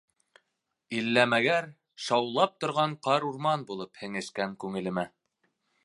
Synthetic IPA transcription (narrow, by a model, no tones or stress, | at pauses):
ilːæmæɡæɾ | ʃɑwlˠɑp̚t̪ŏɾʁɑɴqɑɾuɾmɑnbulˠɤphɘ̆ŋɘ̆ʃkæŋkʉŋɘ̆lɘ̆mæ